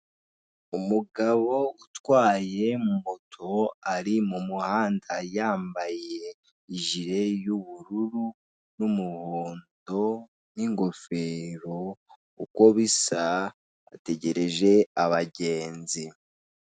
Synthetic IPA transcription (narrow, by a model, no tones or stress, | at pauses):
umuɡaβo̞utwaːje̞mumutʰo̞aɾimumuhaːndajaːmbaje̞ | iʒiɾe̞juβuɾuɾu | numuhoːndo̞ | niŋɡo̞fe̞ːɾo̞ | ṵko̞βisa | a̰te̞ɟe̞ɾe̞ʒe̞aβaɟe̞ːnzi